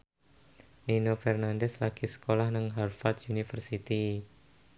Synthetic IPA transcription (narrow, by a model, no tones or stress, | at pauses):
ninofɛrnandɛslaɡ̥isə̥kolahnəŋɦarfald̪unifərsit̪i